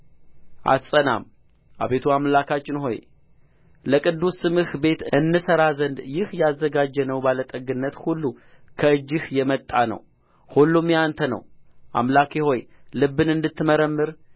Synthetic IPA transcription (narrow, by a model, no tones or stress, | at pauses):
ʔa̰t̪sʼəna̰m | ʔa̰βe̞t̪ʰuamlakʰat͡ʃʼːɪnho̞̰j | ləkʼɨd̪ːusɨmɨhbe̞t̪ɨnːɨsəɾazənd̪jɪhjazːəɡad͡ʒːɛnəwbalət̪ʼəɡɨnːət̪hulːu | kʰəɨd͡ʒːɪhjɛmət̪ʼːanə̰w | hulːumjant̪ʰənə̰wʔa̰mlakʰeho̞jlɨbːɨnɨnd̪ɨt̪ʰːɨməɾəmːɨɾ